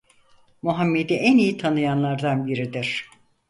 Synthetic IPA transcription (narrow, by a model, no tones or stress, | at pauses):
muɦamːed̪iʔænijit̪ʰanɯjanlˠaɾd̪anbiɾid̪iɾ̥